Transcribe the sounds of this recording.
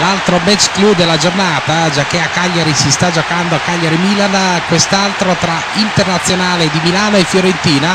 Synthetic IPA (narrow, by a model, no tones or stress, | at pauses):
lalt̪ɾomɛt͡ʃːklud̪elːad͡ʒornaːt̪ad͡ʒak̟ːeakːaʎːaɾisist̪ad͡ʒokand̪oakːaʎːaɾimilankwest̪alt̪ɾot̪ɾa | int̪ernat̪sːjonaːled̪imilaːnoefjoɾent̪iːna